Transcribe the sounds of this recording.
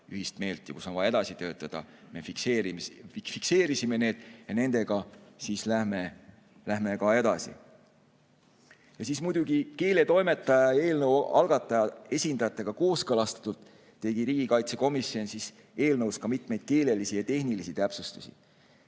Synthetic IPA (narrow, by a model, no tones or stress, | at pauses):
yɦist̪me̞ːlt̪ˑːjɑkusonvɑjɑe̞d̪ɑsit̪ø̞ːt̪ˑːɑd̪̥ɑ̰ | me̞fikseːɾifikse̞ːɾisime̞ne̞ːd̪̥jɑne̞nd̪e̞ɡ̥ɑsislæhme | læɦme̞kɑe̞d̪ɑsḭ | jɑsismujd̪̥uɡ̥ike̞ːle̞t̪o̞jme̞t̪ːˑɑjɑe̞ːlnɤwɑ̰lɡ̥ɑt̪ːˑɑjɑe̞sʲind̪ɑjɑt̪ːˑe̞ɡ̥ɑko̞ːskɤlɑst̪ɑ̥t̪ːˑult̪ː | e̞ɡ̥iɾiːɡ̥ikɑjt̪se̞ko̞misjo̞nsis | e̞ːlnɤwskɑmit̪me̞jd̪̚ke̞ːle̞lisijɑt̪e̞hnilisit̪æpsust̪u̥sʲḭ